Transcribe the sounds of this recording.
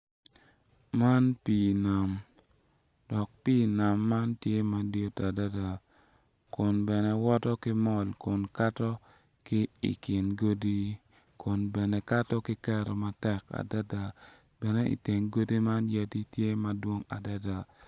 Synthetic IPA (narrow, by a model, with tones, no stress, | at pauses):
ma˦npi˨na˨m | dɔ˨k̚pi˦na˨mːa˦ntje˦ma˨djo˦ta˨da˦da˨ | kʊ˨nbɛ˨nɛ˨wɔ˦tɔ˦kɪ˦mɔ˨lkʊ˨nka˦tɔ˦ | kɪ˦ḭ˨kɪ˨nɡo˦di˦ | kʊ˨nbɛ˨nɛ˨ka˦tɔ˦kɪ˦kɛ˦ɾɔ˨ma˨tɛ˦ka̰˨da˦da˨ | bɛ˨nɛ˦ḭ˨te˨ŋɡo˦di˦ma˦nja˦ti˦tje˦ma˨dwo˦ŋa̰˨da˦da˨